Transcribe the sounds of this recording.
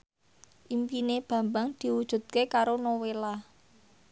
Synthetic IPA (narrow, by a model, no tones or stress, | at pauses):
ʔimpineb̥ä̤mbaŋd̪̥i̤wud̥ʒ̥ṳt̪̚kekaɾonowela